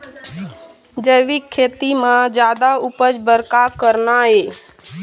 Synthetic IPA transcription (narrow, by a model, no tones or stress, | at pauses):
d͡ʒəɪʋikʰːeːt̪imãd͡ʒjaːd̪aupəd͡ʒbəɾkakəɾnaɦeː